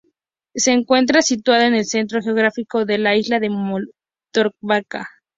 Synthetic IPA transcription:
se̞ːŋkwe̞nt̪̬ɾasit̪waðoene̞lse̞nt̪ɾo̞xeo̞ɣ̞ɾafiko̞ðe̞laizlaðe̞mo | t̪oɾk̚βaka

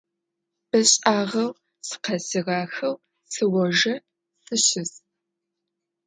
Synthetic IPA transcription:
b̥ɐɕʼaːʁɐw | sɨ̥qɐsiʁɑːxɐw | sɨwɔʒɐ | sɨɕɪs

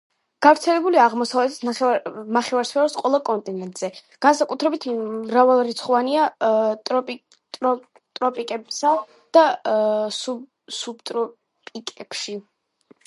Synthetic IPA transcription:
ɡ̥avɾt̪sʰɛlɛbuliaʁmɔsavlɛt̪ʰt̪naɛnaχɛvaɾspʰɛɔɾsqʼwɛlˠakʼɔnt̪ʼinɛnt̪ʼz̥ɛɡ̥ansakʼut̪ʰɾɛbit̪ʰmːɾavalˠaɾit̪sʰχɔvaniat̪ʼɔpʼ | t̪ʼɔ | t̪ʼɾɔpʼikʼɛbsa | d̪̥a | su | subt̪ʼɾɔ | pʼikʼɛb̥ʃi

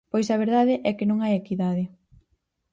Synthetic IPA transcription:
pojsɐβ̞eɾðaðɪʔɛkɪnõŋajekiðaðɪ

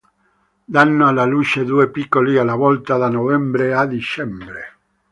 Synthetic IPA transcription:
d̪anːoalalut͡ʃed̪uːepikːolialːavɔlt̪ad̪anovɛmbɾead̪it͡ʃɛmbɾe

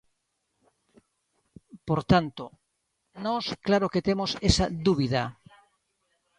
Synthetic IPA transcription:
poɾt̪ant̪o | nɔsklaɾoket̪emosesad̪uβiða

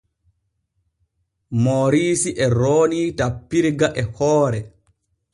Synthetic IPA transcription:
moːɾiːsiʔɛɾoːnitapːiɾɡaʔɛhɔːɾɛ

